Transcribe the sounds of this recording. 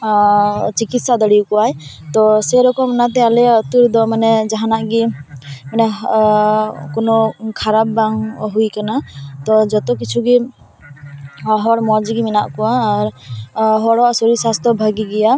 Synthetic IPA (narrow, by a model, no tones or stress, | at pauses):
t͡ʃikit̪sad̪əɽiukɔwaj | t̪ɔsɛɾɔkɔmnat̪ɛjalɛɔt̪uɾd̪ɔmanɛd͡ʒaɦanaʔɡimanɛ | kɔnɔkʰaɾap̚baŋɦujkanat̪ɔd͡ʒɔt̪ɔkit͡ʃʰuɡi | ɦɔɽmɔd͡ʒiɡimina̰ʔkɔwaːɾ | ɦɔɽɔaʔsɔɾisast̪ɔbʱəɡiɡɛja